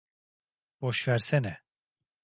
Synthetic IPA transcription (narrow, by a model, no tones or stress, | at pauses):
b̥oʃvæɾsɛnɛ